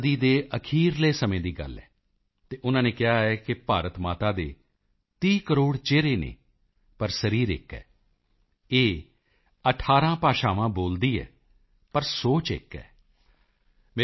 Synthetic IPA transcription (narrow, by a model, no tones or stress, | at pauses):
d̪iːd̪eːʔəkʰiːɾleːsəmẽːd̪iːɡə̰lːɛ̰ː | t̪eːʔʊnãːnẽːkɪɦaːɛːkɪpaːɾət̪maːt̪aːd̪eː | t̪iːkəɾoːɽt͡ʃeːɾeːnḛː | pəɾsəɾiːɾɪ̰kːɛ̰ː | eː | əʈʰaːɾãːpaːʃaːʋãːboːld̪iːɛ̰ː | pəɾsoːt͡ʃɪ̰kːɛ̰ː | mː